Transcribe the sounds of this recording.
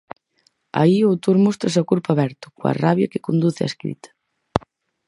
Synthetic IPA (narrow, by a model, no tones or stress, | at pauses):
a̰iot̪oɾmost̪ɾasakuɾpaβɛɾt̪ʊ̥koa̰raβjɐkɪkond̪uθɪa̰skɾḭt̪ɐ̥